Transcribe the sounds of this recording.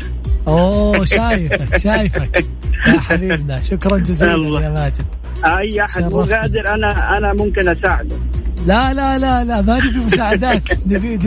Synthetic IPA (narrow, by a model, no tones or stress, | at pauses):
ʔoːʃaːjɪfakʃaːjɪfak | jaħabiːbnaʃʊkɾˤɑnd͡ʒaziːlajaːmaːd͡ʒɪb | ʔajːʔaħadɑrmˤːɑɣaːd̪ɪɾʔanaʔanamʊmkɪnʔasaːʕɪd̪alalalalamanifimʊsaːʕad̪aːt̪nɪfiːd̪